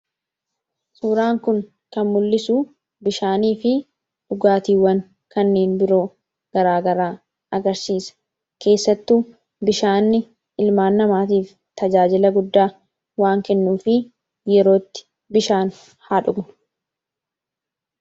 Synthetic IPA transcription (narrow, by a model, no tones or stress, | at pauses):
suːɾaːŋkʊŋ | kɐnmʊlːɪsuː | bɪʃaːniːfɪ | ᶑʊɡaːt̪iːwɐŋ | kɐnːeːnbɪɾo̞ː | ɡ̥ɐɾaːɡɐɾaː | ɐɡɐɾsiːsɐ̥ | ke̞ːsːɐt̪ːuː | bɪʃaːnːɪ | ɪlmaːnːɐmaːt̪iːf | t̪ɐd͡ʒaːd͡ʒɪlɐɡʊd̪ːaː | waːŋkɛnːuːfɪ | jɛɾo̞ːt̪ːɪ̥ | bɪʃaːn | haːᶑʊɡnʊ̥